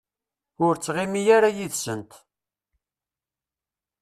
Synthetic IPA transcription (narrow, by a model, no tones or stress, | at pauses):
ʊɾt͡sːʁimijaɾajiðsənt̪